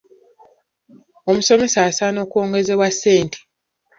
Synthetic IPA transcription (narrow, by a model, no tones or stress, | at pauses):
o̞muso̞me̞sasano̞ːko̞ːŋɡe̞ze̞βwasːeːntʰi̥